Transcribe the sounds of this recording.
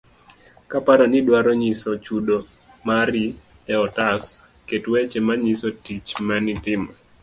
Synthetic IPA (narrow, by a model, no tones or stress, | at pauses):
kapaɾɔnɪdwaɾɔɲisɔt͡ʃudo | maɾi | ɛɔtas | ketwet͡ʃemaɲisɔtit͡ʃmanɪtɪma